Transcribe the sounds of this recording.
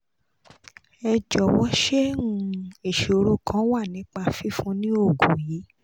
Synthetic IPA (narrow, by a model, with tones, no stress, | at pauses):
ɛ˧d͡ʒɔ˨wɔ˦ʃe˦nũ˦˧˦e˨ʃe˨o˧ɾo˦˨kã˦wa˦˨nĩ˨˦k͡pa˧fi˦fũ˦nĩ˦o˦˨ɡu˨jiː˨˦